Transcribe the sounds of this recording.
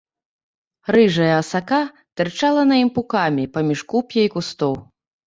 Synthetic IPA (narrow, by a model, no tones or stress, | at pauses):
ɾɨʐɐjɐɐsaka | t̪ɛrt͡ʂalˠɐnɐimpukamʲipamʲiʂkupʲjɐikust̪ɔw